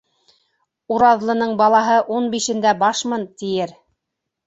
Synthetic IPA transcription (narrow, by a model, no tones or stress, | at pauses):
uɾɑðlˠɤ̆nɤɴbɑlˠɑɦɤʔunbiʃɘ̆nd̪æbɑʃmɤnt̪ijɘɾ